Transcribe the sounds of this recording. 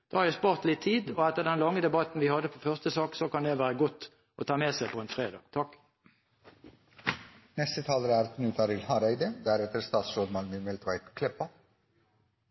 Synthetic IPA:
d̪̥oɑɾjɛspɔʁt̪lɪt̪ʰːiːd̪ɔɛt̪ːəd̪ɛnlɑŋːəd̪ɛbɑt̪n̩ʋɪhɑd̪ːəpʰɔfœʁst̪əsɑːksokɑnd̪ɛʋæːɾəɡɔt̪ː | ʔɔ̰t̪ʰɑːmeːsɛɪpʰɔɛnfʁeːd̪ɑ̰ːɡ̥t̪ʰɑk | nɛst̪ət̪ʰɑːləɾæɾt̪ʰnʉːt̪ʰɑɾɪlhɑɾæɪd̪əd̪æɾɛt̪əɾst̪ɑːt̪sʃoːd̪mɑŋməmɛlt̪ʰʋɑɪt̪kʰlɛpːɑ

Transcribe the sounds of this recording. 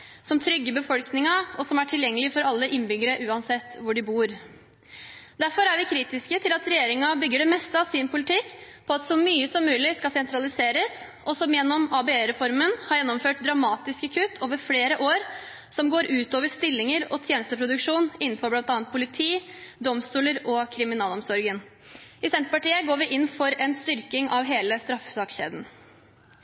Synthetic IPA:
sɔmt̪ʰɾʏɡːəbəfɔlknɪŋɑɔsɔmæʈʰɪljɛŋːəlɪfɔɾɑlːəʔɪnːbʏɡəɾəʔʉːɑnsɛt̪ːʋʊɖɪbuːɾ | d̪æɾfɔɾæɾʋɪkʰɾiːt̪ɪskət̪ʰɪlɑt̪ɾɛjeːɾɪŋɑbʏɡːəɖɛmɛst̪əɑʋsɪnpʰʊlɪt̪ʰɪkː | pʰɔɑt̪sɔmyːəsɔmːʉːlɪskɑsɛnt̪ɾɑlɪseːɾəs | ʔɔsɔmjɛnːɔmɑbɛeɾɛfɔɾmənhɑɾjɛnːɔmføːʈ̚d̪ɾɑmɑːt̪ɪskəkʰʉːt̪ʰoːʋəɾfleːɾəʔoːɾ | sɔmɡoːɾʔʉːt̪oːʋəɾst̪ɪlːɪŋəɾɔt̪ʰjeːnəst̪əpʰɾʊd̪ʉkʂuːnɪnn̩fɔɾblɑnt̪ɑːnt̪pʰʊlɪt̪ʰiːd̪ɔmst̪uːləɾɔkʰɾɪmɪnɑːlɔmsɔɾɡənɪsɛnt̪ɾəpɑʈiːəɡoːɾʋɪʔɪnːfɔɾɛnst̪ʏɾkɪŋʔɑʋɦeːləst̪ɾɑfsɑkɕḛːd̪n̩

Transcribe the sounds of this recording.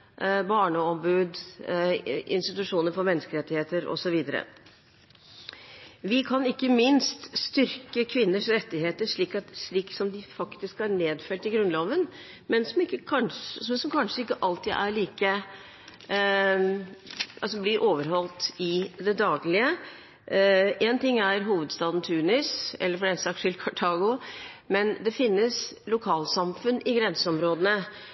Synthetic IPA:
bɑːɳəɔmbʉːd̪ | ɪ̰nst̪ɪt̪ʉʂuːnəɾfɔɾmɛnːəskəɪɾɛt̪ːɪheːt̪əɾɔ̰sɔʋiːd̪əɾə̰ | ʋɪkʰɑnɪkːəmɪnst̪st̪ʏɾkəkʰʋɪnːəʂɾɛt̪ːɪheːt̪əʂɭiːkɑt̪ʂɭiːksɔmd̪ɪfɑkt̪ɪskhɑɾɳeːd̪fœʈ̪ɪɡɾʉnloːʋən | mɛnsɔmɪkːəkʰɑnsɔmkʰɑnʂəɪkːəʔɑlt̪ɪːd̪æɾɭiːkə | ɑlsɔb̪ɪɾʔoːʋəɾɦɔlt̪ɪd̪ɛd̪ɑːɡlɪə | ʔeːnt̪ɪŋːæɾɦuːʋəd̪st̪ɑːd̪n̩t̪ʰʉːnɪsɛ̰lːəɾfɔɛnsɑk̪̚ʂʰɪlkʰɑʈʰɑːɡʊmɛnd̪ɛfɪnːəslʊkʰɑːlsɑmfʉnːɪɡɾɛnsəɔmɾoːd̪ənə

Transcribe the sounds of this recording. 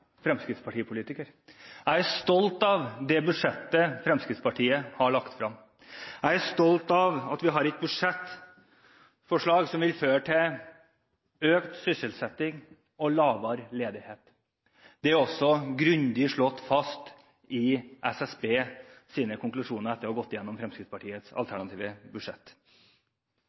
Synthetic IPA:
fɾɛmskɾɪt̪spʰɑʈiːəpʰʊliːt̪ɪkəɾ | æɪæst̪ɔlt̪ɑʋd̪ɛbʉd̪ʂɛt̪ːəfɾɛmskɾɪt̪spɑʈʰiːəhɑɭɑkt̪fɾɑm | æɪæʂt̪ɔlt̪ɑʋɑt̪ʋɪɦɑɾɛt̪̚bʉd̪ʂɛt̪ː | fɔʂɭɑːɡsɔmʋɪlføːɾʈʰɪl | øːkt̪sʏsəlsɛt̪ːɪŋ | ɔlɑːʋɑːɾleːd̪ɪheːt̪ | d̪̥ɛæɾɔsːɔɡɾʉnd̪ɪʂɭɔt̪ːfɑst̪ | ɪʔɛsɛsbeːsiːnəkʰʊŋklʉʂuːnəɾɛt̪ːəɾɔːɡɔt̪ːɪjɛnːɔmfɾɛmskɾɪt̪spɑʈʰiːət̪sɑ̰lt̪ʰæɳɑt̪ʰiːʋəbʉʂɛt̪ː

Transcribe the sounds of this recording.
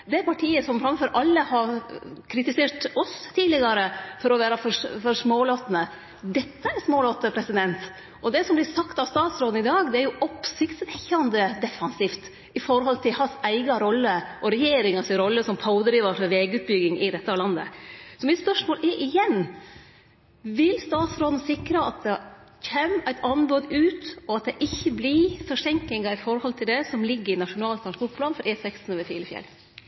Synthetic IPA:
d̪ɛæɾpʰɑʈʰiːəsɔmfɾɑmfɔɾʔɑlːəhɑɾkʰɾɪt̪ɪseːʈɔst̪ʰiːdlɪɡɑɾəfɔɾɔʋæːɾɑfɔfɔɾʂmoːloːt̪nə | d̪ɛt̪ːəæɾsmoːloːt̪əpʰɾɛsɪd̪ɛnt̪ | ʔɔd̪ɛsɔmblɪsɑkt̪ɑʋst̪ɑːt̪sɾoːd̪n̩ɪd̪ɑːɡd̪ɛæɾjʊʔɔpsɪkt̪st̪çɑnd̪əd̪ɛfɑnsiːft̪ | ɪfɔɾɦɔlt̪ʰɪlhɑsæɪɡɑɾɔlːəʔɔɾɛjeːɾɪŋɑsɪɾɔlːəsɔmpʰɑʊd̪ɾiːʋɑfɔɾʋeːɡʉːt̪̚bʏɡɪŋɪd̪ɛt̪ːəɑʋlɑnːə̰sɔmɪt̪spœʂmoːlʔɛɾʔɪjɛn | ʋɪlst̪ɑːt̪sɾoːd̪n̩sɪkɾəɑt̪̚d̪ɛ | çemæɪt̪ʰɑnboːd̪ʉːt̪ɔɑt̪̚d̪ɛʔɪçːəblɪfɔʂɛŋk̪ɪŋɑɾɪfɔɾhɔlt̪ʰɪld̪ɛsɔmlɪɡːəɾɪnɑʂʊnɑːlt̪kɑnsbʊʈpʰlɑːnfɔɾʔɛːsɛkst̪n̩ɔʋəfḭːɾəfjɛ̰l

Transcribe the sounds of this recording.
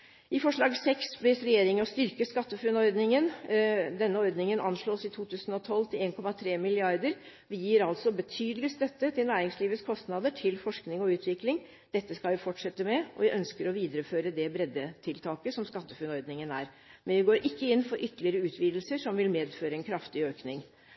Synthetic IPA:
ʔɪfɔʂɭɑːɡsɛksb̪ɛsɾɛjeːɾɪŋɔst̪ʏɾkəskɑt̪ːəfʉnɔɾd̪nɪŋənd̪ɛnːəɔɾd̪nɪŋənʔɑnʂɭoːsɪt̪ʰuːt̪ʰʉːsənɔt̪ʰɔlːt̪ʰɪleːnkʰɔmːɑt̪ʰɾeːmɪlɪɑɾd̪əɾ | ʋɪjiːəɾɑlt̪sɔbət̪ʰyːd̪əlɪst̪œt̪ːət̪ʰɪlnæːɾɪŋsliːʋət̪skʰɔst̪nɑd̪əʈʰɪlfɔʂknɪŋɔʉːt̪ʰʋɪklɪŋ | d̪̥ɛt̪ːəskɑlʋɪfɔʈʂɛt̪ːəmɛʔɔ̰ʋɪʔœnskəɾɔʋiːd̪əɾəføːɾəd̪ɛbɾɛd̪ːət̪ʰɪlt̪ʰɑːkəsɔmskɑt̪ːəfʉnɔɾd̪nɪŋənæ̰ːɾ | mɛnʋɪɡoːɾʔɪkːəɪnːfɔɾʔʏt̪ːəlɪəɾəʉːt̪ʰʋiːd̪əlsəʂɔmʋɪlmeːd̪føːɾəɛnkʰɾɑft̪ɪøːknɪŋ

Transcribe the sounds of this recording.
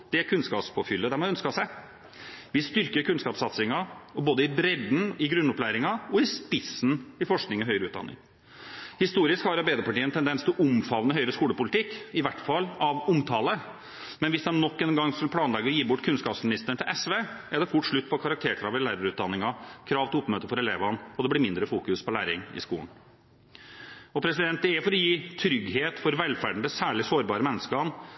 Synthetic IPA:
d̪̥ɛkʰʉnskɑːpspʰoːfʏlːəd̪ɛmɔɑœnskɑsɛ | ʋɪst̪ʏɾkəɾkʰʉnskɑːpsɑt̪sɪŋɑɔboːd̪əɪbɾɛd̪n̩ɪɡɾʉnːʊplæːɾɪŋɑɔɪspɪsn̩ɪfɔʂknɪŋɔɦœʏɾəʉːt̪̚d̪ɑ̰nːɪ̰ŋ | hɪst̪uːɾɪskhɑɾɑbeɪd̪əpɑʈiːəɛnt̪ʰɛnd̪ɛnst̪ʰɪlʔʊmfɑʋnəɦœʏɾəskuːləpʊlɪt̪ɪkːɪʋæʈːfɑlːɑʋʊmt̪ʰɑːlə | mɛnʋɪsɑnnːɔkːɛnɡɑŋːskɑlpʰlɑːnlɛɡəɔjiːbʊʈːkʰʉnskɑːpsmɪnɪst̪əɳt̪ʰɪlʔɛsʋeː | æɖ̪ɛfʊʈːʂɭʉt̪ːpʰɔkʰɑɾɑk̚t̪ʰeːɾkʰɾɑːʋɪlæːɾɑɾʉːt̪d̪ɑnːɪŋɑkʰɾɑːʋt̪ʰɪʊpːmøːt̪əfɔɾɛleːʋɑnɔd̪ɛblɪɾmɪnd̪ɾəfuːkʉspʰɔlæ̰ːɾɪŋɪ̰skṵːn̩ | ɔpʰɾɛsɪd̪ɛnt̪̚ɛæfɔɾɔjiːt̪ʰɾʏɡheːt̪fɔɾʋɛlfæɖɳəd̪əsæːɭɪsoːɾbɑːɾəmɛnːəskəɑn

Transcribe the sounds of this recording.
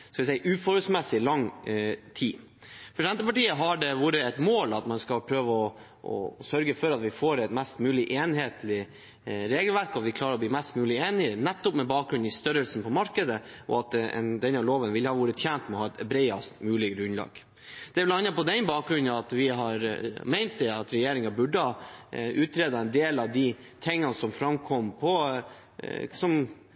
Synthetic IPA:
skɑʋɪsɛɪəʔʉːfɔɾʉsmɛsːɪlɑŋːt̪ʰiː | pʰɾsɛnt̪əpɑʈiːəɦɑɖɛʋuːɾəɛt̪moːlɑt̪mɑnskɑlpʰɾøːʋəɔ | ɔ̰sœɾɡəfɔɾɑt̪ʋɪfoːɾɛt̪mɛst̪mʉːlɪʔeːnheːt̪lɪ | ɾeːɡəlʋæɾkɔʋɪkʰlɑːɾəɾɔbliːmɛst̪mʉːlɪeːnɪənɛt̪ːʊpmɛbɑːk̚ɡɾʉnnɪst̪œɾəlsn̩pʰɔmɑɾkəd̪əʔɔ̰ɑt̪ɛ̰nd̪ɛnɑloːʋənʋɪlhɑʋuːɾət̪ʰjæːnt̪mɛɔhɑːɛt̪ʰɛbɾɛɪɑst̪mʉːlɪɡɾʉnlɑ̰ːɡ̥ | d̪̥ɛʋlɑnɑpɔd̪ɛnbɑːk̚ɡɾʉnːəɑt̪ʋɪɦɑɾmæɪnt̪̚d̪ɛɑt̪ɾɛjeːɾɪŋɑbʉɖəɑʉːt̪ɾeːd̪ɑɛnd̪eːlɑʋd̪ɪ | t̪ʰɛŋːɑnsɔmfɾɑmkʰɔmpʰɔ | sɔm

